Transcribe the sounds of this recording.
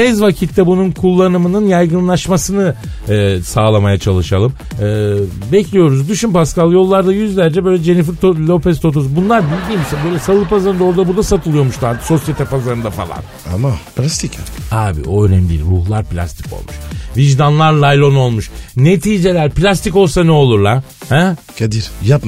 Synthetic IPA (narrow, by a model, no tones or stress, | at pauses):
ɛzvacʰit̪ʰːɛbununkʰulˠːanɯmɯnɯnjajɡɯnlˠaʃmasɯnɯ | saːlˠamajat͡ʃʰalˠɯʃalˠɯm | ɯː | bɛclʲijo̞ɾuzd̪yʃympaskalˠjo̞lˠːaɾd̪ajyzlʲæɾd͡ʒɛbø̞jlʲɛd͡ʒe̞nifiɾt̪olʲo̞pɛst̪ʰo̞t̪̬ʰos̬bunlˠaɾbilʲd̪iːmisbø̞jlʲɛsalˠɯpazaɾɯnd̪aoɾd̪abuɾd̪asat̪ʰɯlˠɯjo̞ɾmuʃlˠaɾd̪ɯ̥so̞sjet̪ʰapazaɾɯnd̪afa̰lˠa̰n | a̰mapʰlʲast̪ʰicaaːbḭo̞ønɛmlʲḭlʲɾuhlˠaɾplʲa̰st̪ʰi̥ko̰lˠmuʃviʒd̪anlˠaɾlˠajlʲˠo̞no̞lˠmuʃne̞t̪ʰiːd͡ʒe̞lʲæɾplʲast̪iko̞lˠsanɛo̞lˠuɾlˠaɾ | hɛ | kʰad̪iɾjap